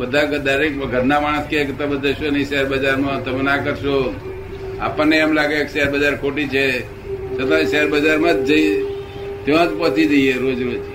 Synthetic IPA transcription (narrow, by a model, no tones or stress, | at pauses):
bəd̪ʱaɡd̪aɾekɡʱəɾnamaɽ̃əskeket̪əbəd̪ʱəʃoniseɾbəd͡ʒaɾmãt̪əmenakəɾʃo | a̰pənːeamlaɡekseɾbəd͡ʒaɾkʰoʈit͡ʃʰe | sʰət̪ʰãseɾbəd͡ʒaɾmãd͡ʒd͡ʒəi | t̪eʋãd͡ʒpət̪ʰid͡ʒəieɾod͡ʒɾod͡ʒ